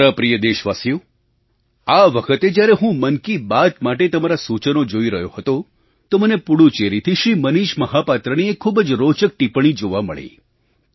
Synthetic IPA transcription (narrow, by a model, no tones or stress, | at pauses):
ɾəpɾijəd̪eʃʋasjo | aʋəkʰət̪ed͡ʒjaɾeɦũmənkibat̪maʈ̬et̪əmaɾasut͡ʃənod͡ʒoiɾəɦjoɦət̪o | t̪omənepuɽut͡ʃeɾit̪ʰiʃɾiməniʃməɦapat̪ɾəniekʰːubəd͡ʒɾot͡ʃək̚ʈipɳ̃id͡ʒoʋamə̰ɭḛ